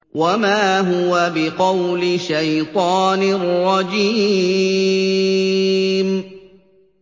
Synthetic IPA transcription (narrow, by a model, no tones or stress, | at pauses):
wamaːɦʊwabɪqɑwlɪʃajt̪ˤɑːnɪrˤːɑd͡ʒiː | m